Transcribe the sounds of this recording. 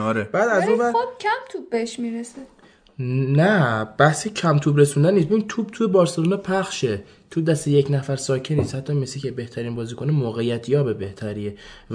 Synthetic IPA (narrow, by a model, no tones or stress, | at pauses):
ɒɾeb̥æːd̪æzunvæokʰæmt̪ʰubːeeʃmiːɾese | nːæb̥æhsecʰæmt̪ʰuːbɾesund̪ænːiːsbevint̪ʰuːb̥̚t̪ʰujebɒːɾseluːnepʰæχʃe | t̪ʰud̪æst̪ejecnæfæɾsɒːcʰeniːshæt̪ʰːɒmesicʰebe̞ht̪ʰæɾiːnbɒːziːkʰonemoːɣejæt̪ʰjɒːbe̞be̞ht̪ʰæɾiːe